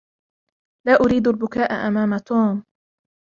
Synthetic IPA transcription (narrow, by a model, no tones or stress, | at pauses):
laːʔʊɾiːd̪albʊkaːʔa̰ʔamaːmat̪uːm